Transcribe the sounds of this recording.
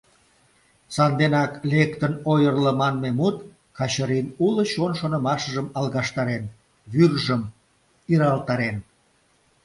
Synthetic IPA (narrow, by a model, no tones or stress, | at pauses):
sɑnd̪enɑklekt̪ənojərləmɑnmemut̪ | kɑt͡ɕəɾinuləɕonʃonə̆mɑʃəʒəmɑlˠɣɑʃt̪ɑɾen | βyrʒəm | iɾɑlt̪ɑɾen